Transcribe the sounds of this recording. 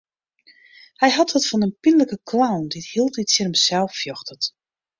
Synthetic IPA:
hɛjɦɑtɔtfɔnənpinələkəkʰlawndithilˠtitsərəmsɛlˠffjɔxtət

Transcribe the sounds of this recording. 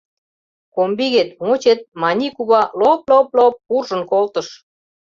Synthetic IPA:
kombiɣet̪mot͡ɕet̪̚mɑnʲikuβɑloploplop̚ːurʒə̆nkolt̪ə̆ʃ

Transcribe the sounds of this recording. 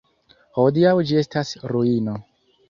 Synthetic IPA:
ho̞diawd͡ʒie̞stasɾuino̞

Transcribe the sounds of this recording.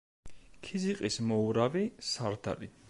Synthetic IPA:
kʰiziqʼismɔuɾavisaɾd̪a̰ɾi

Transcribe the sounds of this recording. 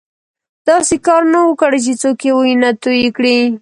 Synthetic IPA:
d̪̥ɑsekɑɾnawəkɽat͡ʃet͡sokewujnat̪ojikɽi

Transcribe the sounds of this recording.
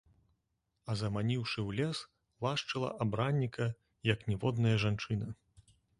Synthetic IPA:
ɐzɐmanʲiwʂɨwlʲɛs | lˠaʂt͡ʂɨlˠɐ̰ʔabɾanʲːikʰɐ | jɐknʲɛvɔd̪nɐjɐʐant͡ʂɨnɐ

